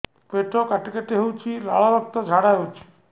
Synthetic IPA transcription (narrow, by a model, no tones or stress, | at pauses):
peʈɔkaʈikaʈeɦewt͡ʃʰilaɭɔɾɔk̚t̪ɔd͡ʒʱaɽaɦewt͡ʃʰi̥